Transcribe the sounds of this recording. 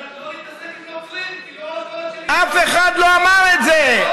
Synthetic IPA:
afɛxad̪loamaɾɛd͡zɛ

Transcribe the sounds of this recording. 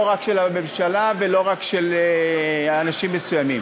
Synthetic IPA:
oʁakʃelame̞mʃalavelo̞ʁakʃeleanaʃimːesujamḭm

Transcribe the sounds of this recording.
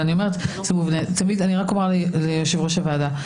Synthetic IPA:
anio̞me̞et̪samuvnet̪amid̪aniʁakomaʁlilejoʃevʁo̞ʃavaːd̪a

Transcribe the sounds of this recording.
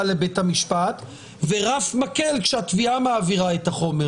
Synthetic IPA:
lebethamiʃpat̪ | veʁafmakelkʃeatviamaːviʁaethaχo̞me

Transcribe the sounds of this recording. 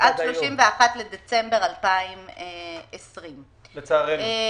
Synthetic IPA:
ʔad̥̪ʃloʃimveaχat̪led̪et͡sembeʁalpaimeesʁim | let͡saːʁe

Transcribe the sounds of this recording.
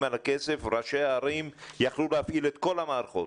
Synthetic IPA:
alakese̞fʁaʃeaːɾimjaχlulehafʔilet̪ko̞lhamaːɾχo̞̰t

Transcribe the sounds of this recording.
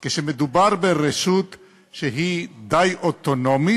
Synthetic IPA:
keʃemed̪ubaʁbeʁeʃut̪ | ʃeɦid̪ajʔot̪onomi

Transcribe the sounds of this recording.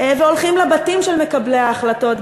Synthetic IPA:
veolχimlebatimʃelme̞kablejaːχlato̞t

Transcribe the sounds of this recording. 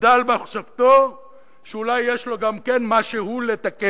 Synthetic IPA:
dalbeaχʃavt̪o̞ | ʃeulajːeʃlo̞ɡamkenmaʃehulet̪ake

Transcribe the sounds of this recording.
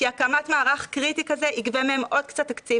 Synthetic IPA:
kiakamatmaːʁaχkʁitikazeʔiɡvemeemʔo̞d̪̚kt͡sat̪ːakt͡siv

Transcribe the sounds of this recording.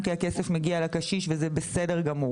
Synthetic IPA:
kiakesefmeɡialakaʃiʃvezebesede̞ʁɡamu

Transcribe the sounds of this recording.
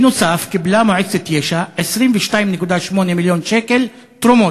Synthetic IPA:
nusaːfkɪblaːmʊʕɪd̪sɪt̪jeːʃaʕɪʃɾiːnbɪʃt̪aːjmnɪkud̪aːʃmoːnemɪljoːnʃeːkɪl | t̪ɾʊmoː

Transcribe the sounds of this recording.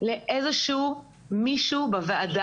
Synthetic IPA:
leʔezeʃuː | miʃubaveada

